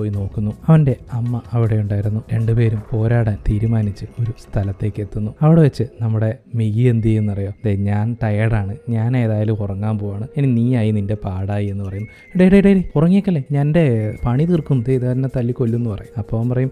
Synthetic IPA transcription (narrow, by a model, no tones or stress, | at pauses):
oːjino̞ːkːunːuɐʋɐnde̞ɐmːɐʔɐʋiɽe̞juɳɖaːjiɾunːuɾe̞ɳɖɨpe̞ːɾumpo̞ːɾaːɽaːnt̪iːɾumaːnit͡ɕːɨo̞ɾust̪ʰɐlɐt̪ːe̞ːkːe̞t̪ːunːuɐʋiɽeʋet͡ɕːɨnɐmːuɽe̞miɣiend̪ienːɨpɐrijo̞ːɐðeɲaːnt̪ɐjɐɽaːɳɨɲaːne̞ːðaːjilumkurɐŋːaːmpo̞ːjaːɳɨeniniːaːjininde̞paːɽaːjie̞nːɨpɐrɐjumː | iɽejɽejɽejɽekurɐŋːijekːɐlːeɲaːnde̞pɐɳit̪irkunt̪eiðɨɐɾinet̪ɐlːikːolːunːupɐrɐ̰jumɐpːoːampɐrɐjum